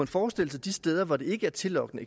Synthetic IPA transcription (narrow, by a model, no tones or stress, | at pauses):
e̝nfɒːsd̥e̝l̰̩səæd̥isd̥eːð̞ˠɐʋɑd̥e̝e̝ɡ̥əæɐt͡sʰe̝lɒ̽ɡ̥nəe